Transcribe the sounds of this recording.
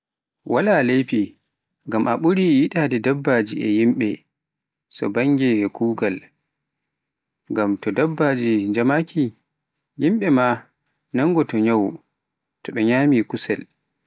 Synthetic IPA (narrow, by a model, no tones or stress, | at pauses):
wʔalalejpi | ŋɡamʔaɓuɾijiɗaːdɛdabːaːd͡ʒiʔɛjimɓɛ | sɔ̰baŋɡɛkʰuːɡal | ŋɡamtɔdabːad͡ʒid͡ʒamakʰi | jimɓɛma | naŋɡɔtɔɲaw | tɔɓɛɲaːmikusɛ̰l